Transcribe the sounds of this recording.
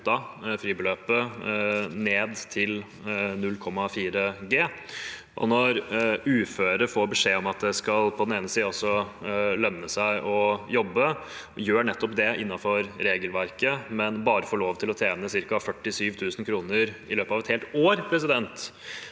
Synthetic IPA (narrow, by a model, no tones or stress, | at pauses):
t̪ɑfɾiːbəløːpə | neːd̪t̪ʰɪl | nʉlːkʰɔmːɑfiːɾəɡeː | ʔɔ̰nɔɾʉːføːɾəɾfoːɾbəʂeːɔmɑt̪̚d̪ɛskɑlpʰɔd̪ɛneːnəsiːɔsɔlœmnəsæɪʔɔjɔbːəjøːɳɛt̪ːɔpd̪ɛɪnːɑfɔɾɾeːɡəlʋæɾkəmɛnbɑːɾəfoːɭoːʋt̪ʰɪlɔt̪ʰeːnəsɪɾkɑfœʈːɪsyːʋt̪ʰʉːsnkʰɾuːnəɾɪ̰løːpɑːʋɛt̪heːlt̪oːɾpʰɾɛs̬ɪd̪ɛnt̪